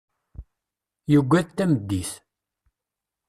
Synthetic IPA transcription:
jəɡʷːæðt̪ːæməd̪ːiθ

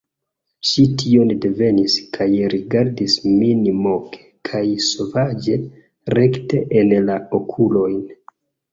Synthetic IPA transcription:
ʃitʰio̞nde̞ve̞niskʰajɾiɡaɾdisminimo̞kʰe̥kʰajso̞vad͡ʒe̞ | ɾe̞kte̞ʔenlaokʰulo̞jn

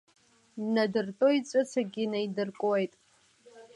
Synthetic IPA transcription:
nadɨrtʼoit͡sʷʼɨt͡sʰaɡʲinajdɨrkʷʼwejtʼ

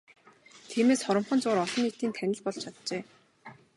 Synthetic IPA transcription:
t̪ʰiːmeːsχɔɾɞ̆mχɞ̆nt͡sʊːɾɔɮɞ̆nit̪iːnt̪ʰænʲɪ̆ɮpɔɮt͡ɕʰat̪t͡ɕeː

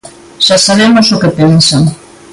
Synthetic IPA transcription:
ʃasaβemʊsokepensaŋ

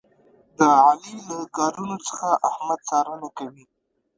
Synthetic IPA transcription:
d̪əʕalilakɑɾunot͡sə̥xaʔahmad̪̚t͡sɑɾənakawi

